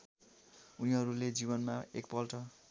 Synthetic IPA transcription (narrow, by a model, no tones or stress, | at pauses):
uniɦʌɾuled͡zibʌnmaek̚pʌlʈʌ